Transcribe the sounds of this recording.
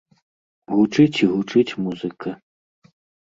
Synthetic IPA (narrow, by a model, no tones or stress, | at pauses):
ɣut͡ʂɨt͡sʲiɣut͡ʂɨt͡sʲmuzɨkɐ